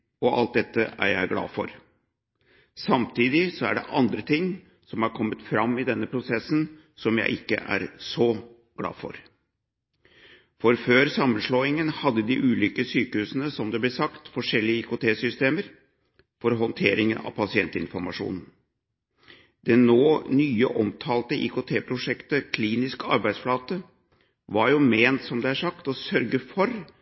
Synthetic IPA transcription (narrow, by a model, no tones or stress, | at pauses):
ɔʔɑ̰lt̪̚d̪ɛt̪ːəæ̰ɾjæ̰ɪɡlɑ̰ːfɔɾ | sɑmt̪ʰiːd̪ɪsɔæɖɛ̰ʔɑnd̪ɾət̪ʰɪŋː | sɔmɑɾkʰɔmːət̪fɾɑmːɪd̪ɛnːəpʰɾʊsɛsːn | sɔmjæ̰ɪʔɪkːə̰ʔæ̰ɾsɔ | ɡ̥lɑ̰ːfɔ̰ɾ | fɔɾføːɾsɑmːənʂloːɪŋənhɑd̪ːəd̪ɪʔʉːlʏːkəsyːkəhʉːsənəsɔmd̪ɛblɛsɑkt̪fɔʂɛlːɪəɪkʊt̪ʰeːsʏst̪eːməɾ | fɔɾɦɔnt̪ʰeːɾɪŋənɑ̰ʋpʰɑsɪɛnt̪əɪnfɔɾmɑʂṵːnn̩ | d̪̥ɛnːoːnyːəʔɔmt̪ʰɑːlt̪əʔɪ̰kʊt̪ʰeːpʰɾʊʂɛkt̪əkʰliːnɪskɑ̰ɾbæɪd̪sflɑːt̪ə | ʋɑɾjʊmeːnt̪sɔmd̪ɛæʂɑkt̪ɔsœɾɡəfɔɾ